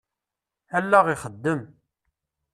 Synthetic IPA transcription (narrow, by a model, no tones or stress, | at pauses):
ælːæʁiχəd̪ːəm